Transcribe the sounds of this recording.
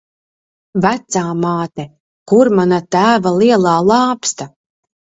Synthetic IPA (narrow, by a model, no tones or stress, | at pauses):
væt̪saːmaːt̪ɛ | kuɾmanat̪æːvalˠiɛlˠaːlˠɑːpst̪a